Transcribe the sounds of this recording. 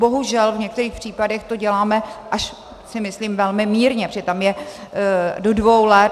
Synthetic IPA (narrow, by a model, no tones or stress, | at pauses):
bo̞ɦuʒɛlvɲɛk̚t̪ɛɾiːxpr̥iːpadɛxt̪o̞ɟɛlaːmɛʔaʃ | sɪmɪsliːmvɛlmɪmiːɾɲɛpɾ̥ɛt̪amjɛ | dodvo̞wlɛt̪